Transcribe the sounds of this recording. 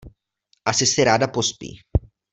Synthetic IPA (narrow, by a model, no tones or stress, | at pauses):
ʔasɪsɪɾaːdapospḭː